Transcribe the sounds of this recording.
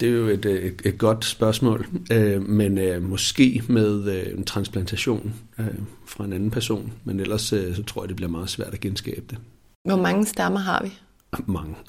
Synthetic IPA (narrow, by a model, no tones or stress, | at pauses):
d̥e̝æjo̝e̝d̥e̝d̥̚ɡ̥ɒ̽d̥sb̥ɶɐsmɔ̰̽ːlømenømɒ̽sɡ̥e̝̰ːmeð̞ˠent͡sʰʁɑ̈nspʰlænt͡sʰæɕo̝̰ːnøfʁɑ̈e̝nænn̩pʰæɐso̝̰ːnmenel̰ɐssɒt͡sʰʁo̝ɐ̰jɐd̥eb̥liɐmɑ̈ːð̩ˠsʋæɐ̰d̥æɡ̥ensɡ̥ɛ̰ːb̥əd̥e̝ | ʋɒmɑ̈ŋəsd̥æmɐɦɑ̈ʋi | mɑ̈ŋə